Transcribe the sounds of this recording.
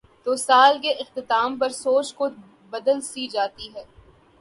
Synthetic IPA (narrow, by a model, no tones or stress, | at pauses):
t̪oːsaːlk̬eʔɪxt̪ɪt̪aːmpɐɾsoːt͡ʃko | bɐd̪əlsiːd͡ʒaːt̪iɦɛː